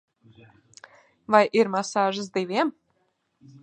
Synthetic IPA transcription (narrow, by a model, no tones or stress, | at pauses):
vajʔiɾmasaːʒɨs̬d̪ivʲiɛm